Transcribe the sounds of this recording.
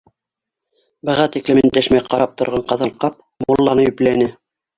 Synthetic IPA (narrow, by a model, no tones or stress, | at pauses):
bɤ̆ʁɑt̪iklɘ̆mɘnt̪æʃmæjqɑɾɑp̚t̪ŏɾʁɑɴqɑðɑlqɑp̚ | mulˠːɑnɤjɵplænɘ